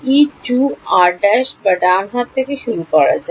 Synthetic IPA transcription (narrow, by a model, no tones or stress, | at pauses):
it͡ʃuaɾɖɛʃbəɖanɦat̪ʰːekeʃuɾukɔɽa̰d͡ʑa